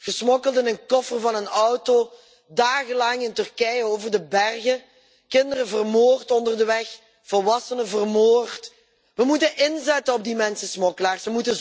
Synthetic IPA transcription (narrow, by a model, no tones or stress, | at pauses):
ɣəsmɔkəlˠdənənkɔfərvɑnənɔwto | daːɣəlɑŋɪntɵrkɛjəoːwvərdəbɛrɣə | kɪndərəvərmoːrtɔndərdəʋɛx | v̥ɔlˠʋɑsənəvərmoːrt | ʋəmutənʔɪnzɛtənɔb̚dimɛnsəsmɔkəlaːrsəmutə